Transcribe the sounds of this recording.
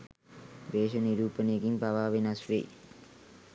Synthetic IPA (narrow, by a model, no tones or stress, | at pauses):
ʋeːʃəniɾuːpənəjeɡiŋpaʋaːʋenasʋḛ